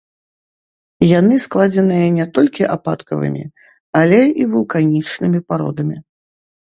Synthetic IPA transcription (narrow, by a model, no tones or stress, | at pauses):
janɨsklˠad͡zʲɛnɨjɐnʲɛt̪ɔlʲkʲiʔapa̰t̪kɐvɨ̰mʲḭ | alʲɛivulˠkanʲit͡ʂnɨmʲipaɾɔ̰d̪ɐmʲi